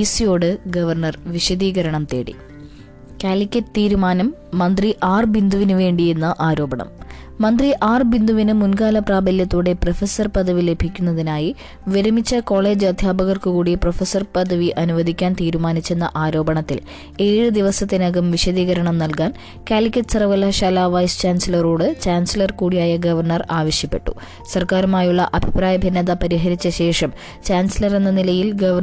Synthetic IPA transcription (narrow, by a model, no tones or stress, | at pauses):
isijo̞ːɽɨɡɐʋɐrɳɐrʋiɕɐd̪iːɣɐɾɐɳɐmt̪ḛːɽḭ | kʲaːlikʲːɐtːɨt̪iːɾumaːnɐmː | ɐnd̪riʔaːrbind̪ʱuʋinɨʋe̞ːɳɖije̞nːɐʔaːɾo̞ːbɐɳɐ̰mː | ɐnd̪riʔaːrbind̪uʋinɨmunɡaːlɐpraːbɐlijɐt̪ːuːɽe̞profesɐrpɐd̪ʱɐʋile̞bʱikʲːunːɐðinaːji | ʋiɾɐmit͡ɕːɐko̞ːɭe̞ːd͡ʑɨɐd̪ʱjaːbɐɣɐrkɨkuːɽiprofesɐrpɐd̪ʱɐʋiʔɐnuʋɐd̪ʱikʲːaːnt̪iːɾumaːnit͡ɕːe̞nːɐ̰ʔaːɾo̞ːbɐɳɐt̪ːḭl | e̞ːɻɨd̪iʋɐsɐt̪ːinɐɡɐmʋiɕɐd̪iːɣɐɾɐɳɐmnɐlkaːn | kʲaːlikʲːɐʈɨ̥sɐrɐʋɐlːaɕaːlaːʋɐjst͡ɕaːnsɐlɐroːɽɨt͡ɕaːnsilɐrkuːɽijaːjɐɡɐʋɐrɳɐraːʋɐɕjɐpːe̞̰ʈːṵ | sɐrkaːɾumaːjuɭːɐʔɐbʱipɾaːjɐbʱɐnːɐðɐpɐɾiɦɐɾit͡ɕːɐɕe̞ːʂɐm | t͡ɕaːnsilɐre̞nːɐnilɐjilɡɐʋɐ